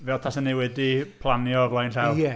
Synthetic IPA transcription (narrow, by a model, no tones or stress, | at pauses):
vɛlˠtʰasəniwɛdipʰlˠanjɔvlˠajnɬɛwɛ